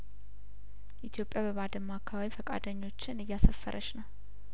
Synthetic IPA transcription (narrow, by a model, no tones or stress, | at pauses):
ʔit̪ʰijo̞pʼːjabəβad̪əmːakʰːaβaβifəkʼa̰d̪əɲːo̞t͡ʃːɪnɨjːasəfːə̰ɾʔəʃnəw